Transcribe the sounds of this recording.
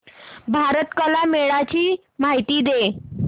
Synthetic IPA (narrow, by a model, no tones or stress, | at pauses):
bʱaɾət̪kəlameɭat͡ɕiː | maɦit̪iːd̪e